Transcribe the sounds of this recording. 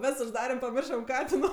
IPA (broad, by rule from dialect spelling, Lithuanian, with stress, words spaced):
ˈʋʲɛs ʊʒˈdɑːrʲɛm pɐˈmʲɪrʃɐm ˈkɑːtʲɪnoː